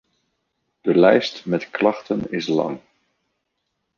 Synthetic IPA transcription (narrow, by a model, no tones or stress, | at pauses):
d̥əlɛjstmɛtklɑχtənɪslɑ̰ŋ